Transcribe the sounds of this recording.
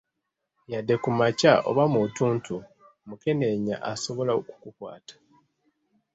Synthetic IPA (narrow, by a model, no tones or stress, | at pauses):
jadːe̞kumacaʔo̞̰βamutuːntʰu | muke̞ne̞ɲa̰ʔaso̞βo̞laoku̥kukwa̰ːtḁ